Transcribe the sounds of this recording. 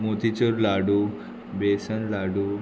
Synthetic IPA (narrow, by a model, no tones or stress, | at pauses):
mot̪it͡ɕəɾlaɽu | besənlaɽu